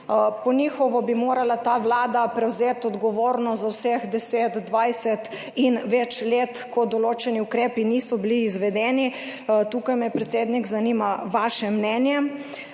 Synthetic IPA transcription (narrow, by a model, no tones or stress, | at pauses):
pɔnixɔʋɔbimoːɾalat̪aːʋlaːd̪apɾɛwzeːt̪ɔd̪ɡɔʋoːɾnɔt̪zawsɛxd̪ɛseːt̪d̪ʋajsɛt̪ | inʋɛt͡ʃleːt̪kɔd̪ɔloːt͡ʃɛniukɾeːpinisɔbiliːzʋɛd̪ɛːni | t̪uːkajmɛpɾɛt̪seːd̪nikzaniːmaʋaːʃɛmnɛːnjɛ